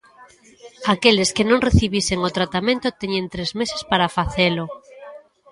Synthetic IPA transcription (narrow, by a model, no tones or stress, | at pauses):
akeleskenõŋreθiβiseŋot̪ɾat̪amẽnt̪ot̪eɲẽnt̪ɾezmesespaɾafaθelo